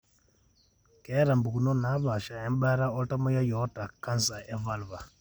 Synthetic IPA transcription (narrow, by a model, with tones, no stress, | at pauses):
ke˦ɾa˨mbu˨ku˨no˦na˨˦βa˨ʃa˨eː˦mba˦ɾa˦o˦ta˦mo˦ja˦jo˦ta˨kːa˦nsa˨e˦va˦lβa˨